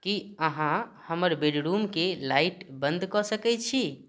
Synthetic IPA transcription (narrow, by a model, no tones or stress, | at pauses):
kiəɦãhəməɾbeɖɾumkelaiʈbənd̪kɔsəkɛt͡ʃʰi